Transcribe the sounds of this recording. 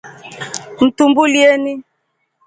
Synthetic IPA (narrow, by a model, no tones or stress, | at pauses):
n̩tumbulieni